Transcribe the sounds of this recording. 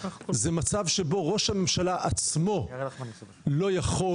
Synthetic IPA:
zemat͡savʃe̞bo̞ʁo̞ʃhame̞mʃalaʔat͡smo̞ | lo̞jaχo

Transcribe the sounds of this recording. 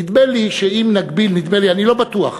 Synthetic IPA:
id̪meliʃeimnaɡbilnid̪melianilo̞bat̪ua̰χ

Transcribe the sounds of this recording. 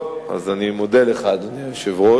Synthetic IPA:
a̰zanimod̪eleχad̪aniaʃevʁo

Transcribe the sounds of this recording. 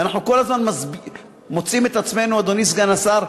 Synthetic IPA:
anaħnuko̞lazmanmazbi | mot͡simet̪at͡sme̞nuad̪onis̬ɡanasaɾ

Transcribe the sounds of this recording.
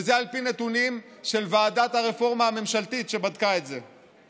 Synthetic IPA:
zealpine̞t̪unimʃe̞lvaːdat̪haʁefo̞ʁmahame̞mʃalt̪it̪ʃe̞bad̪kaetze

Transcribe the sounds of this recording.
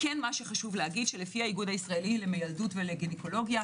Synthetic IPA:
kenmaʃe̞χaʃuvleaɡidʃelefihaiɡud̪aisʁaelilemejaldutveleɡineko̞lo̞ɡja

